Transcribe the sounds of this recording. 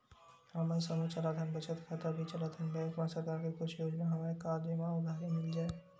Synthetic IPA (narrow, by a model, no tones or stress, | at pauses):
ɦɐmasəmət͡ʃɐlaːd̪ʰʱənbɐt͡ʃʰət̪kʰat̪əbʱit͡ʃɐlad̪ʰɐnbeːkmasɐɾkaːɾkikʊt͡ʃʰjoːd͡ʒnaɦɐmaɾekaːɾd͡ʒemãʊd̪ʱaːɦimɪld͡ʒaːe